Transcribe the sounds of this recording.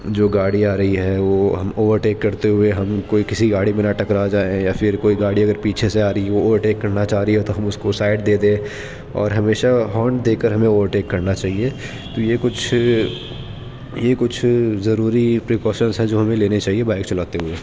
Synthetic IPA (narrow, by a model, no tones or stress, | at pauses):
d͡ʒoːɡaːɽiaːɾɐɦiɦɛʋoːɦɐmoːʋəɾʈeːkːɐɾt̪eɦʊeɦɐmkoːikɪsiɡaːɽimẽnaʈɐkɾad͡ʒaːejafɪɾkoːiɡaːɽiɐɡəɾpiːt͡ʃʰeseaːɾɐiʋooːʋəɾʈeːkːɐɾnat͡ʃaːɾiɦɛt̪oɦɐmʊskosaːɪɖd̪eːd̪ẽː | ɔ̰ːɾɦɐmeːʃaɦɔːɳʈd̪eːkəɾɦɐmẽoːʋəɾʈeːkːɐɾnat͡ʃaːɦie | t̪ojekʊt͡ʃʰ | jekʊt͡ʃʰzɐɾuːɾipɾeːkɔːʃənzɦɛ̃d͡ʒoːɦɐmẽleːnet͡ʃaːɦiebaːɪkt͡ʃɐlaːt̪eɦʊeː